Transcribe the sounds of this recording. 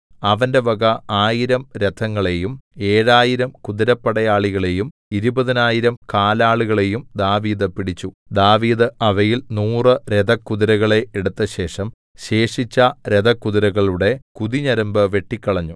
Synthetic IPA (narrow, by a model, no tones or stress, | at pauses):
ɐʋɐnde̞bɐɡɐaːjiɾɐmɾed̪ʰʱɐŋːɐɭe̞jume̞ːɻaːjiɾɐmkuðiɾɐpːɐɽɐjaːɭiɣɐɭe̞jum | iɾubɐðinaːjiɾɐmkaːlaːɭuɣɐɭe̞jumd̪aːʋiːd̪ɨpiɽit͡ɕːud̪aːʋiːðɨɐʋɐjilnuːrɨɾed̪ɐkːuðiɾɐɣɐɭe̞eɽut̪ːɐɕe̞ːʂɐm | ɕe̞ːʂit͡ɕːɐɾed̪ɐkːuðiɾɐɣɐɭuɽe̞kuðiɲɐɾɐmbɨʋe̞ʈːikʲːɐɭɐɲːu